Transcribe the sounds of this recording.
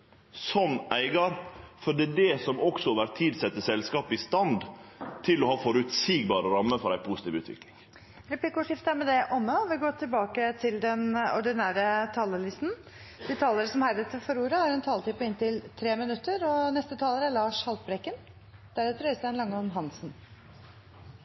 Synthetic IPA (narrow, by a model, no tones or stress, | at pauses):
sɔnːæɪɡɑɾfɔɖɛɖɛsɔmɔksɔʋæɾt̪ʰiːd̪sɛt̪ːəsɛlskɑːpɪst̪ɑnd̪t̪ʰɪlɔhɑːfɔɾʉt̪siːɡ̚bɑːɾəɾɑmːəfɔɾæɪpʰust̪iːʋʉːt̪ʋɪ̰klɪŋ | ɾɛplikʊʂɪft̪əæɾmɛd̪ɛʔɔmːəɔʋɪɡoːt̪ʰɪlbɑːkət̪ʰɪld̪ɛnɔ̰ɖɪnæːɾət̪ʰɑːləlɪst̪n̩ | d̪̥ɪt̪ʰɑːləɾəsɔmhæɾət̪fɔɾuːɾəhɑɾʉnt̪ʰɑːlt̪iːpɔɪnt̪ɪlt̪ʰɾeːmɪnʉt̪ːəɾɔnɛst̪ət̪ʰɑːləɾæɭɑːʂhɑlt̪̚bɾɛkːən | d̪̥æɾɛt̪ʰːɾœst̪ɛənlɑŋːəɔmɦɑnsn̩